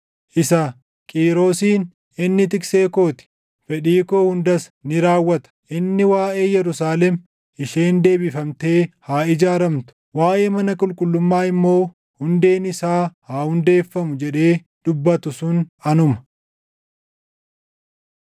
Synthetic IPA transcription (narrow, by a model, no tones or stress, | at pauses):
ʔɪsɐ | kʼiːɾo̞ːsiːn | ɪnːɪt̪ɪkseːko̞ːt̪ɪ̥ | fɛᶑiːkoːhʊnd̪ɐsnɪɾaːwːɐt̪ɐ̥ʔɪnːɪwaːʔe̞ːjɛɾʊsaːlɛm | ʔɪʃeːnd̪e̞ːbɪfɐmt̪e̞ːhaːɪd͡ʒaːɾɐmt̪ʊ̥waːʔe̞ːmɐnɐkʼʊlkʼʊlːʊmːaːɪmːo̞ː | hʊnd̪e̞ːnɪsaːhaːhʊnd̪e̞ːfːɐmʊd͡ʒɛᶑe̞ː | d̪̥ʊbːɐt̪ʊsʊnɐnʊmɐ̥